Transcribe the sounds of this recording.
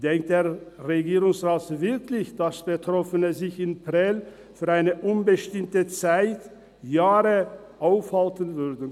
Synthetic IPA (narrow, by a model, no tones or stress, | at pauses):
d̥ɛŋk̚td̥eːɐʁeɡiːʁʊŋsʁaːtvɪɐkʰlɪçd̥asb̥ətʁ̥ɔfənəzɪçɪnpʁɛl | fyːɐaɪnəʔʊnbəʃtɪmtət͡saɪt | jaːʁə | ʔaʊfhaltənvʏɐdn̩